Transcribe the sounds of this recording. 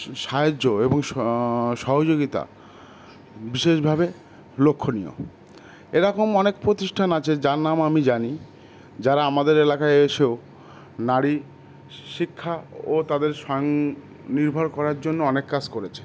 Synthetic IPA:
ʃaoːoeboŋ | ʃɔɦod͡ʑoɡit̪a̰ | biʃeʃbʱabe | lokʰːonijo̰ | eɾɔkomɔnekpɾot̪iʃʈʰanat͡ɕʰed͡ʑaɾnamamid͡ʑani | d͡ʑaɾaamad̪eɾelakaeeʃeo | naɾi | ʃikʰːaot̪ad̪eɾʃɔjoŋ | niɾbʱɔɾkɔɾaɾd͡ʑonːoɔnekːad͡ʑkoɾet͡ɕʰe̥

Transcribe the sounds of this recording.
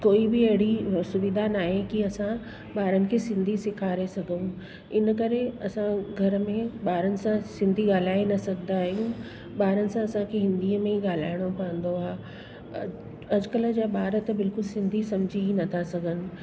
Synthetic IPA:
koːibɪɐɦɪɽisʊʋɪd̪ʱanaːɦekiɐsã | ɓaːɾənɪ̆kʰeːsɪ̃nd̪ʱisɪkʰaːɾesɐɡʱəũ | ɪnəkɐɾeɐsãɡʱɐɾəmẽɓaːɾənɪ̆sãsɪ̃nd̪ʱiɠaːl̤aːenɐsɐɡʱd̪aːɦjũ | ɓaːɾənɪ̆sãɐsãkʰeɦɪ̃nd̪iːəmẽiɠaːl̤aːɪɽ̃opɐə̃nd̪oa | ɐd͡ʑkələd͡ʑaːɓaːɾət̪bɪlkʊlsɪ̃nd̪ʱisɐ̃md͡ʑʱiinɐt̪ʰasɐɡʱənɪ̆

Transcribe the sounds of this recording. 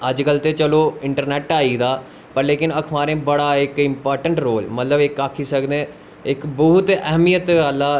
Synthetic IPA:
əd͡ʒkəlt̪eːt͡ʃəloːɪɳʈəɾnɛːʈaːiːd̪aː | pəɾleːkɪnəkʰmaːɾẽːbəɽaːɪkɪmpaːɾʈəɳʈɾoːlmət̪ləbɪkaːkʰiːsəkd̪ẽː | ɪkbəɦt̪ɛɦmijət̪əlːaː

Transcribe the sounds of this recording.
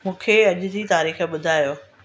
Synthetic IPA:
mũːkʰeɐʄʊ̆d͡ʑiːt̪aːɾiːxɓʊd̪ʱaːjoː

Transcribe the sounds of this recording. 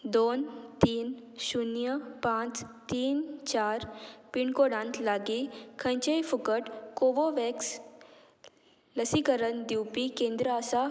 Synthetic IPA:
d̪ont̪iːnɕunjəpãt͡st̪iːnt͡ɕaɾpiɳkoɽãnt̪laɡikʰə̃jt͡ɕəjfukəʈkoʋoʋɛks | ləsikəɾənd̪iwpikẽnd̪ɾəasa

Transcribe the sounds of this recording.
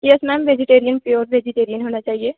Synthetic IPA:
jɛsmɛ̃mʋed͡ʒɪʈeːɾijənpjoːɾʋeːd͡ʒɪʈeːɾiənɦoːnat͡ʃaːɦieː

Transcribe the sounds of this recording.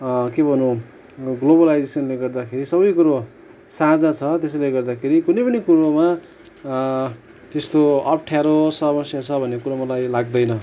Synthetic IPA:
kebʱʌnu | ɡlobʌlajd͡zesʌnleɡʌrd̪akʰeɾisʌbʌjkuɾo | sad͡zat͡sʰʌt̪es̬leɡʌrd̪akʰeɾikunʌjpʌnikuɾoma | t̪est̪oʌp̚ʈʰjaɾosʌmʌsjat͡sʰʌbʱʌnːekuɾamʌlajlaɡ̚d̪ʌjnʌ

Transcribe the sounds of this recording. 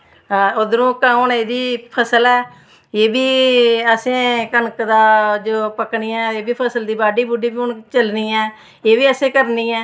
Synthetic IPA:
od̪ɾũːkaːʊɳeːd̪iːpʰəsəlɛː | eːbiːəsẽːkənkd̪aːd͡ʒoːpəkɳiːɛ̃ːeːbiːpʰəsəld̪iːbaːɖiːbʊɖiːbiːʊɳt͡ʃəlniːɛː | eːbiːəsẽːkəɾniːɛː

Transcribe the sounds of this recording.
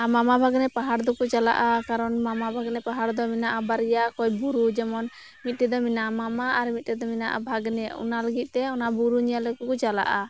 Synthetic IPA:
amamabʱaɡnɛpaɦaɾd̪ɔkɔt͡ʃala̰ʔakaɾɔnmamabʱaɡnɛpaɦaɾd̪ɔminaʔabaɾijakɔjbuɾud͡ʒɛmɔn | mit̪̚ˀʈɛd̪ɔminamamaʔaɾmit̪̚ˀʈɛd̪ɔmina̰ʔa̰bʱaɡnɛɔ̰naləɡit̪̚ˀt̪ɛɔnabuɾuɲijalɛkɔkɔt͡ʃala̰ʔa

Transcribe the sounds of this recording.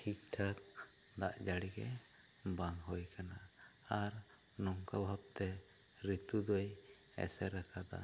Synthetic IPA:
hʰik̚ʈʰak̚ | d̪aʔd͡ʒaɽiɡɛ̰ | baŋɦɔjkanaaɾ | nɔŋkabʱab̚t̪ɛɾit̪ud̪ɔjɛ̰sɛɾakʰad̪a̰

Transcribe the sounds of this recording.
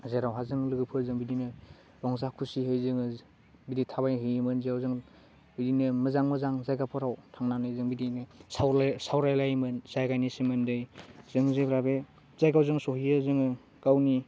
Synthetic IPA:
zeɾawɦazɯŋlɯɡɯpʰɯzɯŋbidinɯ | ɾɔŋzakʰusiɦɯjzɯŋɯ | biditʰaβajɦɯjmɯnzeawzɯŋ | bidinɯmɯzaŋmɯzaŋzajɡapʰɔɾawtʰaŋnanɯjzɯŋbidinɯsawsawɾajlajmɯnzajɡajnisimɯndɯjz̥ɯŋzebɾabe | z̥ajɡawzɯŋsɔhiɯzɯŋɯ | ɡ̥awni

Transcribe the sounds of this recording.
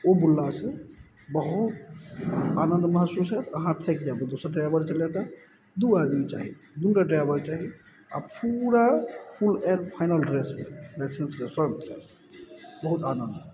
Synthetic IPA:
obulːasẽ | bəɦut̪ | anənd̪məɦəsusɦɛt̪əɦãt̪ʰɛkd͡ʒabed̪osəɾʈɾabəɾt͡ʃəlet̪a | d̪uad̪mit͡ʃa̰ːɦi | d̪unʈɾaʈɾajbəɾt͡ʃaɦi | a̰puɾapʰulɛ̃npʰaɪnəlɖɾesmḛlaɪsenskesə̃ŋɡt͡ʃʰɛ̰ | bəɦut̪anənd̪ɦɛ

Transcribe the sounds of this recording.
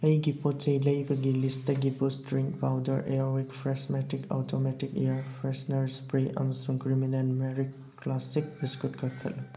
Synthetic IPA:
ɐjɡipot͡ʃɐjlɐjbɐɡilisdɐɡipustɾiŋkpawdɐɾʔeɾwikpʰɾesmetikʰo̰tʰometikejaɾpʰɾesnɐɾispɾiʔɐ̰mɐsuŋkɾiminenmeɾikːlasik̚biskutkʰɐkʰɐtlɐ

